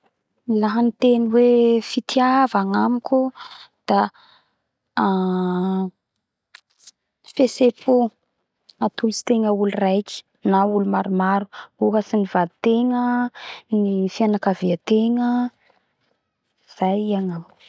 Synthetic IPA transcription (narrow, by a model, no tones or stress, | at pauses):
laɦənit̪eniwefit̪ʰiavaŋamikʲud̪̥a | fesepʰu | at̪ulusi̥t̪eŋəulurajki̥ | naulumaɾumaɾu̥uɦəsinivad̪i̥t̪eŋənifianakaviat̪eŋə | z̥ajiaŋam